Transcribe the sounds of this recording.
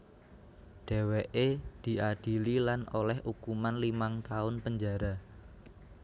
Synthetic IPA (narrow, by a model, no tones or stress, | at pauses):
ɖ̥e̤weʔed̪̥i̤ʔad̥i̤lilanolɛhʔukumanlimaŋt̪aʊnpəɲd͡ʒaɾa